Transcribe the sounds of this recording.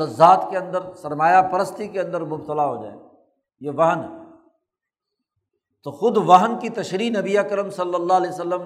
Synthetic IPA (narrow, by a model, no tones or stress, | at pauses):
ɐzːaːt̪keɐ̃nd̪əɾsɐɾmaːjapɐɾəst̪ikeɐ̃nd̪əɾmʊbt̪əlaɦoːd͡ʒa̰ːḛː | jeʋɐɦənɦɛː | t̪oxʊd̪ʋɐɦənkit̪ɐʃɾiːnɐbiɐkɾəmsɐlːəlːaɦleːsɐlːəm